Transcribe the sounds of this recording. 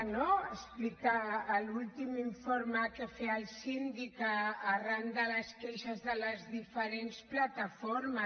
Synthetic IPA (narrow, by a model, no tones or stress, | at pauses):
noəsplikaːlulˠt̪imiɱfoɾmakəfeəlsind̪ikaːrand̪aləskeʃazðələzðifəɾensplat̪afoɾmə